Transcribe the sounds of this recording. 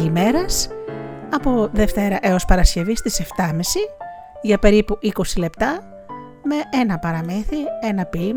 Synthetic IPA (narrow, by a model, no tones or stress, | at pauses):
ime̞ɾɐs | ɐpo̞ðe̞ft̪e̞ɾɐʔe̞o̞spɐɾɐsce̞vist̪ise̞ft̪ɐmisi | ʝɐpe̞ɾipuʔiko̞sile̞pt̪ɐ | me̞e̞nɐpɐɾɐmiθie̞nɐpil